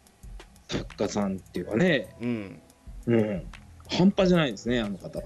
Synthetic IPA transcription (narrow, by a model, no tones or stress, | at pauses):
sakːasãnt̪ːe̞jɯ̟kane̞ | ɯ̟̃ɴhãmpaʑanaid̪esɨneanokat̪a